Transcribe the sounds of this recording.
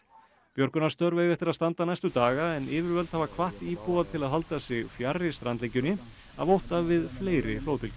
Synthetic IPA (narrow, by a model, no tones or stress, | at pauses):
pjɔɾkʏnast̪œɾveːjɣɛft̪ɪɾaðst̪ant̪anajst̪ʏt̪aːɣaɛnɪːvɪɾvœlt̪havakʰvaht̪iːpuvat̪ʰɪlaðɦalt̪asɛɣfjarɪst̪ɾant̪lejcːʏnːɪ | a̰ðvowht̪avɪðfleːjɾɪfloːwt̪ɪlcʏ̥